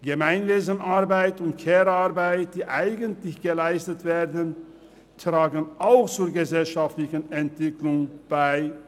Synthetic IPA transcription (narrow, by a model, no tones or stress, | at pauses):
ɡ̥əmaɪnveːzənaɐbaɪtʊntkʰeːʁaʁbaɪt̚d̥iːʔaɪɡəntlɪçɡ̥əlaɪstətv̥eːʁdən | tʁ̥aːɡənʔaʊxt͡suːɐɡəzɛlʃaftlɪçənɛntv̥ɪklʊŋb̥aɪ